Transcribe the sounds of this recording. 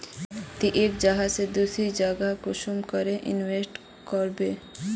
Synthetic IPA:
t̪iʔekd͡ʒaɦased̪usɾid͡ʒaːɡakoʃumkɔɾeʔɪ̰nwesʈ | kɔɾbeː

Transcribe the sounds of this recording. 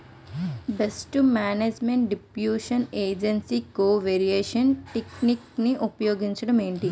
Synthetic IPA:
besʈumaːneːd͡ʒmeɳʈ̚ɖipjuːʃɐneːd͡ʒensikoːʋeːɾieːʃɐnʈiknikniʔupɐjoːɡiɲt͡ʃɐɽɐmeːɳʈi

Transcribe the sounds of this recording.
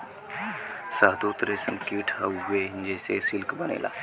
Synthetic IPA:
saɦd̪uːt̪ɾesəmkiʈɦəuɡeɦnd͡ʒesesɪlkbɐnḛːla̰ː

